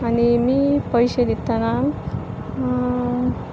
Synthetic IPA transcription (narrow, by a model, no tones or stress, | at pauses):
animiːpəjɕed̪it̪ːana